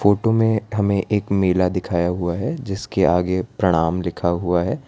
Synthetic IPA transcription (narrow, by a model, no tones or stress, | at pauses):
foːʈomẽɦɐmẽʔeːkmeːlad̪ɪkʰaːjaɦuaɦɛd͡ʒɪskeaːɡepɾɐɽ̃aːmlɪkʰaɦuaɦɛː